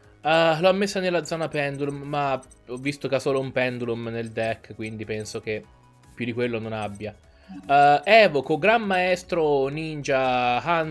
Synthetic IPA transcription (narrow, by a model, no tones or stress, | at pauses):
lɔmːesːanelːad̪zɔːnapɛnd̪ulumːa | ɔvːist̪okeasːoːloumpɛnd̪ulumneld̪ɛkːkwind̪ipɛnsok̟e | pːjud̪ikwelːononabːja | ɛːvokoɡɾamːaɛst̪ɾonind͡ʒahan